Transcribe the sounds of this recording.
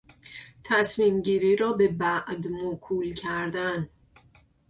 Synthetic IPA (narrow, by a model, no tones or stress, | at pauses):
t̪ʰæsmiːmɟiːɾiːɾɒːbe̞bæʔd̪mokʰuːlcʰæɾd̪æn